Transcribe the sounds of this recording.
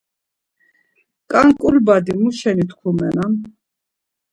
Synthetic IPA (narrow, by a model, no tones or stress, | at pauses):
kʼaŋkʼulbad̪imuʃɛnit̪ʰkʰumɛnam